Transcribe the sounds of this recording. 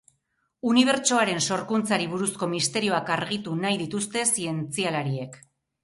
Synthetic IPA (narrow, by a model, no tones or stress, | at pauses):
uniβ̞e̞ɾt͡ʃo̞aɾe̞nso̞ɾkunt͡saɾiβ̞uɾusko̞mist̪e̞ɾio̞akaɾɣit̪unajðit̪ust̪e̞sie̞nt͡sialaɾie̞k